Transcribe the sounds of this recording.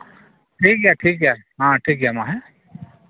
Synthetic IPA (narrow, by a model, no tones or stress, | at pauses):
ʈʰiːkɦɛaːʈʰiːkɦɛːɦãːʈʰiːkɦamãːɦɛ